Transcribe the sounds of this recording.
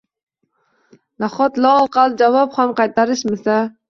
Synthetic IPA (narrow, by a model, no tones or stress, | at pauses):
naχɔt̪lˠɑːlˠqɑlˠɨd͡ʒɑvɑphamqɑjt̪ɑɾɨʃmɪsa